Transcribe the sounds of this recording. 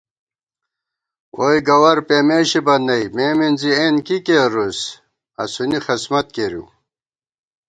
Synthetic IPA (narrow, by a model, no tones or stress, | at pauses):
wʔojɡɐwɐɾpemeːɕibɐnːɐjmeːminzienkikeɾus | ɐ̰sunixɐsmɐt̪̚keɾjṵ